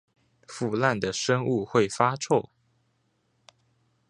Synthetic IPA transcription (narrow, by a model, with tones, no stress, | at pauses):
fu˥˧la˥˩nd̪ə˩ʂə˥ŋu˥˧xwe˥˩ɪfa˥t͡sʰo˥˩ʊ